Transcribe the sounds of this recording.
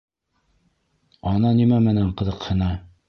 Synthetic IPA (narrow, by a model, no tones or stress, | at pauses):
ɒnɑnimæmɘ̆næɴqɤ̆ðɤ̆qhɤ̆nɑ